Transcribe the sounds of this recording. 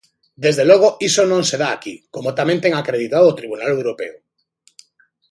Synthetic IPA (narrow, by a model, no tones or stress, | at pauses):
d̪ezðeloɣ̞oisonõŋseð̞aːkikomot̪amẽnt̪eŋakɾeð̞it̪aðoot̪ɾiβunalewɾopeo